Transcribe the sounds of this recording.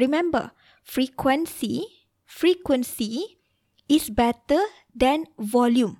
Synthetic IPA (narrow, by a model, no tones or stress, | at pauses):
ɹimɛ̃mbə̰ | fɹikwɛ̃nsi | fɹikwə̃nsi | isbɛtə | d̪ɛ̃nvɔljũm